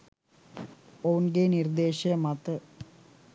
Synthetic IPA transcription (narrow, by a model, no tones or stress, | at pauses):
ownɡenird̪eːɕɐmɐt̪ːɨ